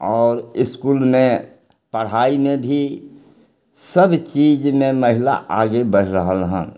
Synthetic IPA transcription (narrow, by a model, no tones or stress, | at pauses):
ɔːɾɪskuːlmẽ | pəɽ̤aːimẽbʱi | səbt͡ʃiːd͡ʒmẽməɦɪla̰ʔaːɡebəɽ̤ɾəɦəlɦə̰̃n